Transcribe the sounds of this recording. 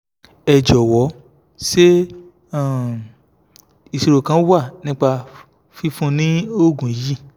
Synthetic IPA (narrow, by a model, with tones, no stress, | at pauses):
ɛ˨d͡ʒɔ˨wɔ˨˦ | ʃe˦ | a˦˨ | i˨si˧ɾo˨kã˧˦wa˦˨nĩ˦k͡pa˧ | fi˧fũ˧˦nĩ˦o˦˨ɡũ˨ji˦˨